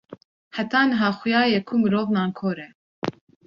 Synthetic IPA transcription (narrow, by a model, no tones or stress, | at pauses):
hæt̪ɑːnɨɦɑːxʊjɑːjɛkʰuːmɨɾoːvnɑːnkʰoːɾɛ